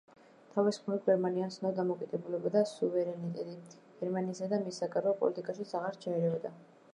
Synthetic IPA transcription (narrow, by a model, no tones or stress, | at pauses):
t̪ʰavɛsχmɛɾiɡɛɾmaniansnɔd̪amɔkʼid̪ɛbulɛbad̪asuvɛɾɛnit̪ʼɛt̪ʼi | ɡ̥ɛɾmaniːsad̪amisːakʼaɾɔpʼɔ̰lit̪ʼikʼaʃit̪sʰaʁaɾt͡ʃʰaɛɾɛɔd̪a